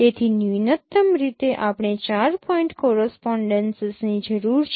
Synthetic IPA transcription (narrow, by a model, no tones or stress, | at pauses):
et̪ʰininət̪ːəmɾit̪eʔapɽ̃et͡ʃaɾpʰɔiɳʈkɔɾəspɔɳɖənsəsnid͡ʒəɾuɾt͡ʃʰ